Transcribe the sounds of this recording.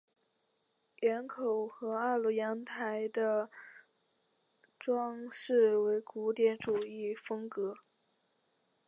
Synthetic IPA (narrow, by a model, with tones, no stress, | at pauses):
jɛ˧˥nkʰo˨˩ʊxɤ˧˥a˥˩lu˧˥jɑ˧˥ŋt̪ʰa˧˥ɪd̪ə˧ | ʈ͡ʂwɑ˥ŋʂɻ̩˥˩we˧˥ɪku˧˥t̪jɛ˧˥nʈ͡ʂu˨˩i˥˩fɤ˥ŋkɤ˧˥